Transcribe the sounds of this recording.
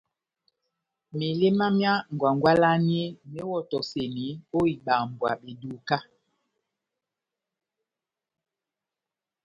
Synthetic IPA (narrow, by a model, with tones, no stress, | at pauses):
me˨le˦ma˦mja˦ŋ˨ɡwa˨ŋɡwa˦la˦ni˦e˦me˦wɔ˦tɔ˨se˨ni˨˦o˦i˨ɓa˨mbwa̰˨ɓe˨du˨ka˦